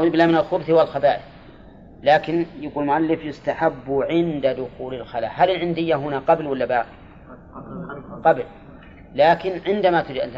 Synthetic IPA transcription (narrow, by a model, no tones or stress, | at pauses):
ɪblamɪnalxʊbθwalxabaːʔɪθ | laːkɪnjaɡuːlmʊʔalːɪfjɪst̪aħabːʊʕɪnd̪ad̪ʊxuːlalxala̰ːhalɪlʕɪnd̪ɪjːaɦʊnaqɑblwalːabaʕ | qɑbl | laːkɪnʕɪnd̪amat̪ɪd͡ʒa̰